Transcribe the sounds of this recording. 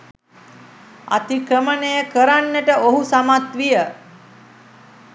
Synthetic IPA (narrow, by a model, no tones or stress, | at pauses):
a̰t̪ikɾəmənejəkəɾanːəʈəoɦusamat̪ʋijə